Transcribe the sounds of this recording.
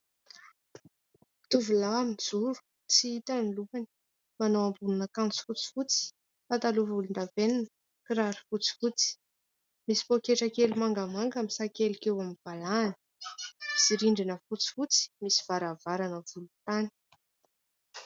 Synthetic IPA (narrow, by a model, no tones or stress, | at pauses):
t̪uvulaːmid͡zuɾu̥ | t͡siit̪aniluani̥ | manowambununakant͡si̥fut͡si̥fut͡si̥ | fat̪aluvulund̪aveninə | kiɾaɾi̥fut͡si̥fut͡si̥ | misi̥pokeʈ͡ʂəkelumaŋɡamaŋɡamisakelikewamiv̥alanə̥iziɾiɳɖ͡ʐinəfut͡si̥fut͡si̥misiv̥aɾavaɾanəvulut̪ani̥